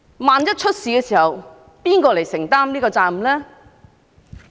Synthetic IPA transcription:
maː˨˧njɐ˥t̚t͡ʃʰɵ˥t̚siː˨kɛː˧siː˨˩hɐ˨w | piː˥nkɔː˧le˨˩jsɪ˨˩ŋt̪aː˥mliː˥kɔː˧t͡saː˨˧m̩˨lɛː˥

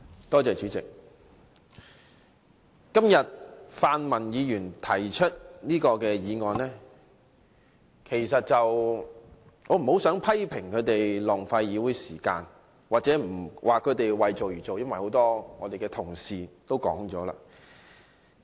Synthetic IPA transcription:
t̪ɔː˥t͡sɛː˨t͡ʃyː˨˥t͡sɪ˨k̚ | kɐ˥mjɐ˨t̚faː˧nmɐ˨˩njiː˨˧jyː˨˩nt̪ʰɐ˨˩jt͡ʃʰɵ˥t̚niː˥kɔː˧kɛː˧jiː˨˧ŋɔː˨nɛː˥ | kʰe˨˩jsɐ˨t̚t͡sɐ˨w | ŋɔː˨˧m̩˨˩ho˨˥wsœː˨˥ŋpʰɐ˥jpʰɪ˨˩ŋkʰɵ˨˧ɥt̪e˨jlɔː˨˩ŋfɐ˧jjiː˨˧wuː˨˥jsiː˨˩ka̰ː˧n | waː˨t̚t͡sɛː˨˥m̩˨˩wʔaː˨kʰɵ˨˧ɥt̪e˨jwɐ˨jt͡so˨wjyː˨˩t͡so˨wjɐ˥nwɐ˨jho˨˧˥wt̪ɔː˥ŋɔː˨˧t̪e˨jkɛː˧t̪ʰʊ˨˩ŋsiː˨t̪o˥wkɔ̰ː˨˥ŋt͡sɔː˨˥la̰ː˧

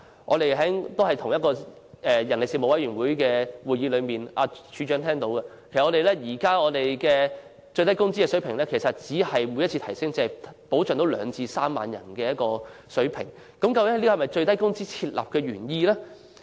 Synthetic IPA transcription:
ʔɔ̰ː˧t̪e˨jɦɐ˨˥t̪o˥whɐ˨jt̪ʰʊ˨˩ŋjɐ˥t̚kɔː˧ | ɛː˨jɐ˨˩nle˨siː˧˩mo˨˧wɐ˨˥jyː˨˩nwu˨˥jkɛː˧wuː˨˩jiː˨˥lɵ˨˧ɥmiː˨nʔa̰ː˧t͡ʃʰyː˨˧t͡ʃœː˨˥ŋt̪ʰɛː˥ŋt̪o˨˧˥wkɐ˧kʰe˩sʔɔː˨˧e˨jlɛː˥jiː˨˩kaː˥ŋɔː˨˧t̪e˨jkɛː˧ | t͡ʃɵ˧ɥt̪ɐ˥jkʊ˥ŋt͡si˥kɛː˧sɵ˨˥ɥpʰɪ˨˩ŋlɛː˥kʰe˨˩sɐ˨t̚t͡siː˨˥hɐ˨jmu˨˧jɐ˥t͡sʰiː˧t̪ʰɐ˨˩jsɪ˥ŋt͡sːpo˨˥wt͡ʃœː˨ŋt̪o˨˥wlœ̰ː˨˧ŋt͡sʰiː˧saː˥mːa̰ː˨njɐ̰˨˩nkɛː˧jɐ˥t̚kɔː˧ | sɵ˨˥ɥpʰɪ̰˨˩ŋ | kɐ˨˥mkɐ˧wkɪ˦˥hliː˥˨hɐ˨˩mɐ˨jt͡sɵ˧ɥt̪ɐ˥jkʊ˥ŋt͡siː˥t͡sʰiː˧t̚la̰ː˨p̚kɛː˧ɥyː˨˩njiː˧lɛː˥

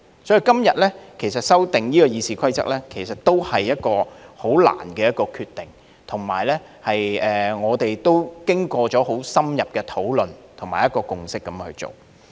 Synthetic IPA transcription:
sɔː˨˥i˨˧kɐ˥mjɐ˨t̚lɛ˥kʰe˨˩js̬ɐ˨t̚sɐ˥wt̪ɪ˨ŋjiː˥kɔː˧jiː˨˧siː˨kʰɐ˥jt͡sɐ̰˥k̚lɛː˥kʰe˨˩sɐ˨tt̪o˥whɐ˨jːɐ˥t̚kɔː˧ho˨˥wla̰ː˨˩nkɛː˧jɐ˥t̚kɔː˧kʰyː˧t̪ːɪ˨˩ŋ | t̪ʰʊ˨˩ŋma̰ː˨˩jlɛː˥ | hɐ˨jɛː˨ŋɔː˨˧t̪e˨jt̪o˥wkɪ˥ŋkɔː˧t͡ʃɔː˨˥ho˨˥wsɐ˥mjɐ˨p̚kɛː˧t̪ʰo˨˥wlɵ˨nt̪ʰʊ˨˩ŋmaː˨˩jɐ˥tkɔː˧kʊ˨ŋsɪ˥kːɐ˨˥mhʰɵ˧ɥt͡so̰˨w

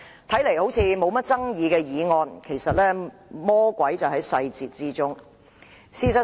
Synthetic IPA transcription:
t̪ʰɐ˨˥jle˨˩jho˨˥wt͡sʰiː˨˧mo˨˧wmɐ˥t̚t͡sɐ˥ŋjiː˨˧kɛː˧jiː˨˧ŋɔː˧nkʰe˨˩jsɐ˨t̚lɛː˥ | mɔː˥kʷɐ˨˥jt͡sɐ˨wɦɐ˨˥jsɐ˧jt͡siː˨˩t̚t͡siː˥t͡sʊ˥ŋ | siː˧sɐ˨

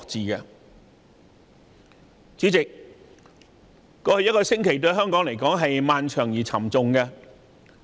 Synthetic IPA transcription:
k̚t͡siː˨kɛ˧ | t͡siː˨˥t͡sɪ˨k̚ | kːɔː˧hɵ˨˧jɐ˥t̚kɔː˧sɪ˥ŋkʰe˨˩jt̪ɵ˧ɥɦœː˥ŋkɔː˨˥ŋle˨˩jkɔː˨˥ŋɦɐ˨jmaː˨nt͡ʃʰœː˨˩ŋjiː˨˩t͡sʰɐ˨˩mt͡sʊ˨ŋkɛ˧

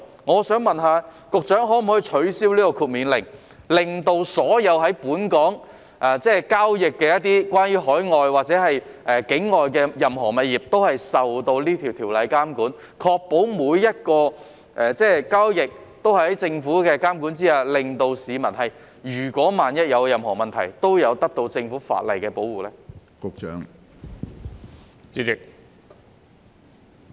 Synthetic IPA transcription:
ŋɔː˨˧sœː˨˥ŋmɐ˨nɦaː˨˧ | kʊ˨k̚t͡ʃœː˨˥ŋɦɔː˨˥m̩˨˩hɔ˧˥˨t͡ʃʰɵ˨˧˥ɥsiː˥wliː˥k̪o˨˧kʰuː˧˩t̚miː˨˧nlɪ˨˩ŋ | lɪ˨ŋt̪o˧wsɔː˨˥jɐ˨˧wɦɐ˨˥jpuː˨˥nkɔː˨˥ŋ | ʔaː˨t͡sɛː˥kaː˥wjɪ˨kːɛː˧jɐ˥t̚t̪iː˥kwaː˥njyː˥hɔː˨˥jŋɔː˨jwaː˨k̚t͡sɛː˨˥hɐ˨j | ɛː˨˩kɪ˨˥ŋŋɔː˨jkɛː˧jɐ˨mɦɔː˨˩mɐ˨t̚jiː˨p̚t̪o˥whɐ˨jsɐ˨wt̪o˧wliː˥t̪ʰiː˨˩wt̪ʰiː˨˩wlɐ˨˧jkaː˥mkuː˨˥n | kʰɔː˧k̚po˨˥wmuː˨˧jjɐ˥t̚kɔː˧ | ʔɛː˨t͡sɛː˥kaː˥wjɪ˨k̚t̪o˥whɐ˨˩ɐ˨˥jt͡sɪ˧ŋfuː˨˥kɛː˧kaː˥mku˨˥nt͡siː˥aː˧lɪ˨ŋt̪o˧wsiː˨˧mɐ˨˩nɦɐ˨j | jyː˨˩kʷɔː˨˥maː˨njɐ˥t̚jɐ˨˧wjɐ˨mhɔ̰ː˨˩mɐ˨˩nt̪ʰɐ˨˩jt̪o˥wjɐ˨˧wt̪ɐ˥k̚t̪o˧wt͡sɪ˧ŋfuː˨˥fa̰ː˧˨t̚lɐ̰˨jkɛː˧po˨˥wuː˨˩lɛː˥kʊ˨k̚t͡ʃœ̰ː˨˥ŋ | t͡syː˨˧˥t͡sɪ˨˩k̚

